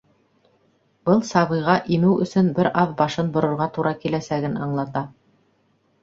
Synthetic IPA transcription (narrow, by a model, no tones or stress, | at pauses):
bɤlˠsɑβɤ̆jʁɑʔimɘwɵ̰̆sɵnbɘɾɑðbɑʃɤnbŏɾŏɾʁɑt̪uɾʔɑkilæsæɡɘnɑɴlˠɑt̪ɑ